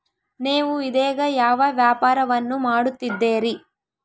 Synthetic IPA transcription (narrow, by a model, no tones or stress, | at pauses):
neːʋuid̪ɛːɡɐjaːʋɐʋjaːpaːɾɐʋɐnːumaːɽut̪ːid̪ːeːɾi